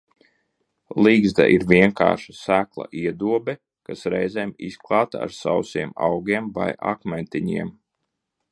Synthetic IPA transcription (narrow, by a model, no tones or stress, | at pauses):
lˠiːɡzd̪a̰ʔiɾvʲiɛŋka̰ːɾʃasæːklˠa̰ʔiɛd̪uɔbɛ | kasɾɛjzɛmisklˠɑːt̪a̰ɾsawsiɛmawɡʲiɛmva̰jʔa̰kmɛnt̪iɲiɛm